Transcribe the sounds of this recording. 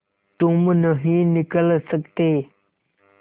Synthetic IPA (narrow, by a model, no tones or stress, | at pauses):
t̪oŋmənəɦinikələsʰək̚t̪e